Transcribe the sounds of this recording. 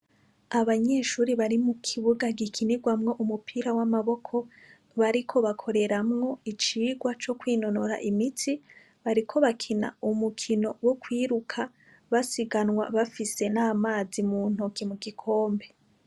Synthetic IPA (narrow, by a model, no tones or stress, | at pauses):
aβaɲe̞ːʃuːɾiβaɾimukʰiβuɡaɡikʰiniɡwamŋo̞ʔumupʰiːɾawamaβo̞kʰo̞ | βaɾikʰo̞βakʰo̞ɾe̞ɾamŋo̞it͡ʃiːɡwat͡ʃo̞kwiːno̞noɾa̰ʔimitʰi | βaɾikʰo̞βakʰina̰umukʰino̞wokwiːɾukʰa | βasiɡanŋwa̰βafise̞naːmaːzimuːn̥hokʰimuɡikʰo̞ːmbe̞